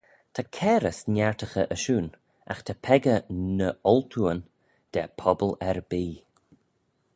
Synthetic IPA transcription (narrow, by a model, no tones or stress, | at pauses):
t̪ʰakʰɛːɾəsnʲaɹt̪ʰəxəʔəʃuːn | a̰xt̪ʰapʰɛɡənəɔlt̪ʰuːən | d̪̥ɛpʰɔbəlɛɾbiː